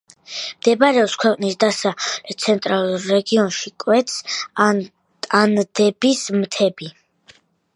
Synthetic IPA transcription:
md̪̥ɛbaɾɛɔpskʰwɛqʼnisd̪asalɛt̪sʰɛnt̪ʼɾalˠuɾːɛɡiɔnʃikʼwɛt̪s | and̪ɛbismt̪ʰɛbi

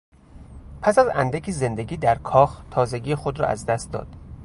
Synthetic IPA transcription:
pʰæsæzæ̰nd̪ækʰize̞nd̪e̞ɡiːd̪æɾkʰɒːxt̪ʰɒːze̞ɟiːexod̪ɾɒ̰ːʔæ̰zd̪æst̪̚d̪ɒ̰ːd̪̥

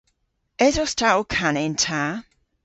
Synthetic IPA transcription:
ɛzɔstʰakʰanɪntʰa

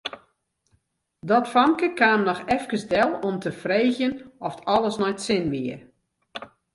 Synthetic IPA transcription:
dɔtfɔŋkəkaːmnɔxɛfkəsdɛlˠɔmtəfreːxjənɔftɔlˠəsnɔjtsɪnʋiər

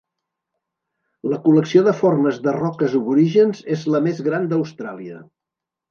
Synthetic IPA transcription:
ləkuləksioðəforməzðərɔkəzuβuɾiʒənzezləmezɣɾand̪əwst̪ɾa̰liə̰

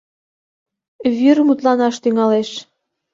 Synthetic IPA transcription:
βyɾmut̪lɑnɑʃt̪yŋɑleʃ

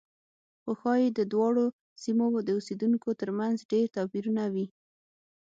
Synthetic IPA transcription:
xəxɑjed̪əd̪wɑɽo | simod̪əused̪uŋkot̪əɾmanzɖeɾt̪ɑpiɾunawi

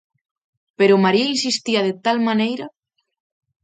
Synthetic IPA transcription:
peɾʊmaɾiinsist̪iɐðet̪almanejɾɐ

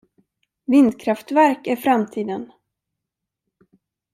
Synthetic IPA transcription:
vɪnd̪kʰɾaft̪væɾkæɾfɾamt̪ʰiːd̪ən

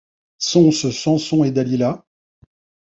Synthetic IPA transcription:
sɔ̃səsɑ̃sɔ̃ed̪alila

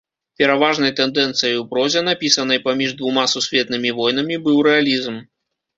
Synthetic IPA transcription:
pʲɛɾavaʐnɐjt̪ɛnd̪ɛnt̪sɨjɐjwpɾɔzʲɛnapʲisɐnɐjpamʲiʐd̪vumasusʲvʲɛt̪nɨmʲivɔjnɐmʲibɨwɾɛalʲizm

